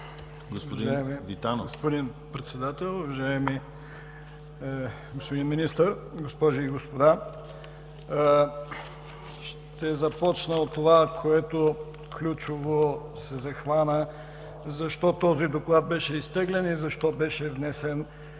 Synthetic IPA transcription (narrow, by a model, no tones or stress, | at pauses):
ɡosvpɐd̪iʒaɛmivit̪anoɡospod̪inpɾɛt̪sɛd̪at̪ɛlˠovɐʒaɛmi | ɡospod̪inminist̪əɾɡospɔʒiiɡospod̪a | ʃ | t̪ɛzɐpɔt͡ʃnəot̪ːovakʰoɛt̪o | klʲut͡ʃovosɛzɐxvanə | zɐʃt̪ɔt̪ɔzid̪oklˠad̪̚bɛʃɛist̪ɛɡlɛnizɐʃt̪ɔbɛʃɛvnɛsɛn